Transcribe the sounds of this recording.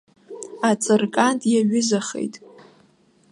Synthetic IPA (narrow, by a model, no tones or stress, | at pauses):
at͡sʼɨrkʼantʼjaɥʊzaχḛjtʼ